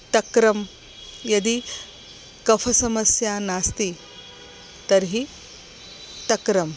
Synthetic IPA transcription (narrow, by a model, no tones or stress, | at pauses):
ʈ̪ɐkɾɐm | jɐd̪i | kɐpʰɐsɐmɐsjaːnaːst̪i | t̪ɐɾɦi | t̪ɐkɾɐm